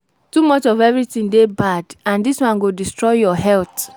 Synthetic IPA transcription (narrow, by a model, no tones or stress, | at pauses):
tumɔt͡ʃɔvɛvɹitĩndebadãndiswãnɡodistɹɔɪjɔɦɛlt